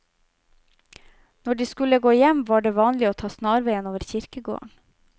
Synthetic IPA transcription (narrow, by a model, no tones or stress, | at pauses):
nɔɖiːskʉləɡoːjɛmʋɑːɖeːʋɑːnlɪoːt̪ʰɑːsnɑːɾʋeɪənoːʋəɾçɪɾkəɡo̰ːɳ